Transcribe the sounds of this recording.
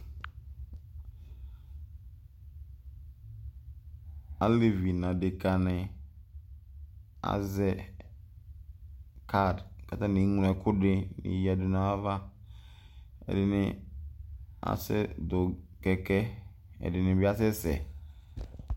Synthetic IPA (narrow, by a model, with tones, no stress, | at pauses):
a˦le˦vi˨nã˨dɪ˨ka˨nɪ̃˨ | a̰˨zɛ˦ | kʰa˦˨dka˨ta˦nĩ˨˦ŋũ˨nɛ˨kʰʊ˦dɪ˦nɪ̰̃˨˦ja˨dɪ˨na˨a˦va˦ | ɛ̰˨dɪ˨nɪ˦ | a̰˦sɛ̰˦dʊ˨kɛ˨kɛ˦ | ɛ̰˨dɪ˨nɪ̃˨bɪ˦a˦sɪ˦sɛ̰˨